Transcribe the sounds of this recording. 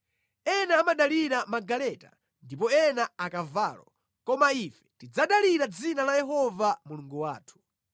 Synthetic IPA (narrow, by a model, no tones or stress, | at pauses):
ɛnaːmaɗaliɾamaɡalɛta̰ | ndipɔɛnaakavaːlɔ̰ | kɔmaifɛ̥tid͡zaɗaliɾad͡zinalajɛɦɔvamuluŋɡuwa̰ːtʰu̥